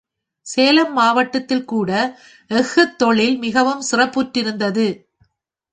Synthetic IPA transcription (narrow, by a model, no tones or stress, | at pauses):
seːlɐmːaːʋɐʈːɐt̪ːɪlkuːɽɐ | ɛɣɯt̪ːɔɭɪlmɪɣɐʋɯmsɪrɐpːuʈːɪɾɯnd̪ɐðɯ